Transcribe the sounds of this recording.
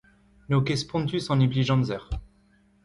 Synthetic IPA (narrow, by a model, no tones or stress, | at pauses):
nokespɔ̃nt̪ysɑ̃nibliʒɑ̃nzɛʁ